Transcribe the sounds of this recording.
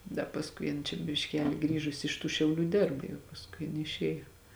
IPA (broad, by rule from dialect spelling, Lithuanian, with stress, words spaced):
dɐ pɐsˈkʊɪ jɪn t͡ʃʲɛ bʲɪʃʲˈkʲæːlʲɪ ˈɡrʲiːʒʊsʲɪ ɪʃ tuː ʃʲɛʊˈlʲuː ˈdʲeːrp jɛʊ pɐsˈkʊɪ jɪˈnɐɪ ɪʃʲˈeːjoː